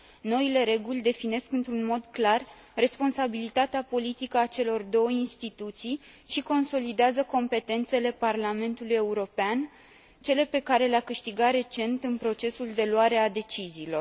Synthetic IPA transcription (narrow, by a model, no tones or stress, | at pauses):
no̞ile̞ɾe̞ɡulʲd̪e̞fine̞skɨnt̪ɾunmo̞d̪klar | re̞spo̞nsabilit̪at̪eapo̞lit̪ikəat͡ʃe̞lo̞rd̪o̞wəinst̪it̪ut̪sij | ʃiko̞nso̞lid̪eazəko̞mpe̞t̪e̞nt̪se̞le̞parlame̞nt̪uluje̞uɾo̞pean | t͡ʃe̞le̞pe̞kaɾe̞leakɨʃt̪iɡaɾe̞t͡ʃe̞nt̪ɨnpɾo̞t͡ʃe̞suld̪e̞luwaɾe̞ad̪e̞t͡ʃiziːlo̞r